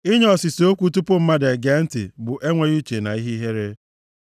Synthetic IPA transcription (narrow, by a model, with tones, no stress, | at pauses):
i˦ɲ˦ɔ˨si˨so˦kʷu˦tu˦pʊ˦m̩˦ma˦de˨ɡe˨˦n̩˦tɪ̰˨bʊ˨ʔe˦ŋʷe˦ju˦t͡ʃe˨na̰˨i˦ɦi˦ɦe˦ɾe˦